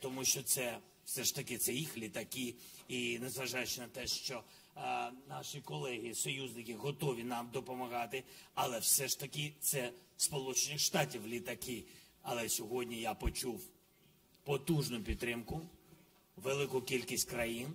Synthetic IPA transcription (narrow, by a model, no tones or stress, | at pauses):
t̪ɔmuʃt͡ʃɔt̪sɛ | wsɛʃt̪ɐkɪt̪sɛjixlʲit̪ɐkɪ | inezʋɐʒɑjʉt͡ʃɪnɐt̪ɛʃt͡ʃɔ | nɑʃikɔlˠɛɦʲisɔjuznɪkɪɦɔt̪ɔʋʲinɑmd̪ɔpɔmɐɣɑt̪ɪɐlˠɛwsɛʃt̪ɐkɪt̪sɛspɔlˠut͡ʃenɪxʃt̪ɑtʲiwlʲit̪ɐkɪɐlˠɛsʲɔɦɔdʲnʲijapɔt͡ʃuw | pɔt̪uʒnʊpʲid̪t̪ːɾɪmkʊ | ʋelˠɪkʊkʲilʲkʲisʲtʲkɾɐjin